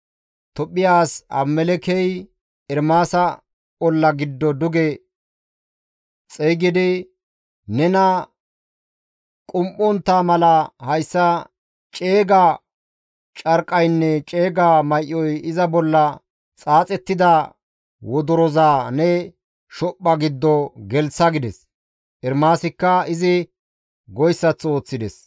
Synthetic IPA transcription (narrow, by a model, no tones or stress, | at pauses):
t̪ɔpʼːɪjaːsɐ̰mːɛlɛkɛj | ɛɾmaːsɐ | ɔlːɐɡɪd̪ːɔd̪ʊɡɛ | t͡sʼɛjɡɪd̪ɪ | nɛnɐ | kʼʊmʔɔnt̪ːaːmɐlɐhɐjsːɐ | t͡ʃʼe̞ːɡa | t͡ʃʼɐɾkʼːɐjnːɛt͡ʃʼe̞ːɡaːmɐjʔɔjɪzɐbɔlːɐ | t͡sʼaːt͡sʼɛt̪ːɪd̪ɐ | wɔd̪ɔɾɔzaːnɛ | ʃɔpːɐɡɪd̪ːɔɡɛlsɐɡɪd̪ɛs | ʔɛɾmaːsɪkːɐɪzɪ | ɡɔjsːɐt͡so̞ːt͡sːɪd̪ɛs